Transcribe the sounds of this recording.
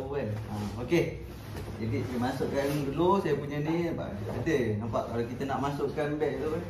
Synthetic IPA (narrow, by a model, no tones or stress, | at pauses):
uɛlaoke | d͡ʒadiimasʊʔkanbəlosajapuɲəniba̰ʔa̰dənampaʔkalakit̪ənaʔmasʊʔkanbɛʔt̪o